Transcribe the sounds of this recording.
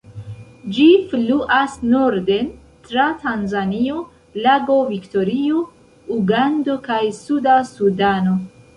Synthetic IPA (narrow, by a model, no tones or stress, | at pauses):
d͡ʒifluʔasnoɾde̞n | tɾatanzanio̞ | laɡo̞vikto̞ɾio̞ | uɡando̞kajsudasudano̞